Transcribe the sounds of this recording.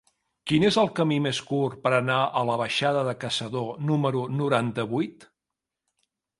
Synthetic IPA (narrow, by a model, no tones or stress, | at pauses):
kinezəlˠkəmimeskurpəɾənaʔələβ̞əʃaðəðəkəsəðonuməɾunuɾant̪əβujt̪